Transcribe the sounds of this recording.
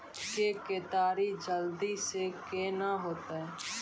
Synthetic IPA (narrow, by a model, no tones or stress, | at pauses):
keket̪aːɾid͡ʒəld̪isekeːnaɦoːt̪eɛ